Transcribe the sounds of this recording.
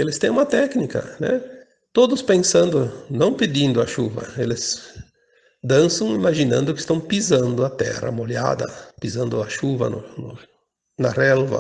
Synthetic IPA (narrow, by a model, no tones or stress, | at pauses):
elɪst̪ẽj̃ũmɐt̪ɛknikɐ̰nɛ̰ | t̪od̪ʊspẽsɐ̃nd̪ʊnɐ̃w̃ped̪ĩnd̪ʊɐʃuvɐ̰elɪz | d̪ɐ̃nsɐ̃w̃imaʒinɐ̰̃nd̪ʊkɪ̥st̪ɐ̃w̃pizɐ̃nd̪ʊɐt̪ɛ̰ɾɐ̰moʎa̰d̪ɐ̰pizɐ̃nd̪ʊɐʃuvɐ̰nʊnʊ | nɐrɛlvɐ̰